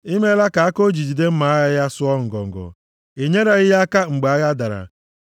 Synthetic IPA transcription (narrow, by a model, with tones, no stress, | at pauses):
i˦me˦la˦ka˨a˦ko˦d͡ʒi˨d͡ʒi˨de˦m̩˦ma˨a˦ɣa˦ja˦sʊ˦ɔ˦ŋ̩˨ɡɔ̰˨ŋ̩˨ɡɔ̰˨ | e˨ɲe˦ɾa˦ɣɪ˦ja˦ka˦ŋ͡m̩˨ɡ͡ba˨a˦ɣa˦da˨ɾa̰˨